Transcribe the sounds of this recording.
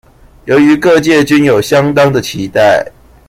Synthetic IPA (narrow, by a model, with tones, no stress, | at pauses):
jo˨˦˥ʊy˨˦kɤ˥˧t͡ɕjɛ˥˨t͡ɕy˦˥njo˨˩ʊɕjɑ˦ŋt̪ɑ˦ŋd̪ə˨t͡ɕʰi˨˦t̪a˥˩ɪ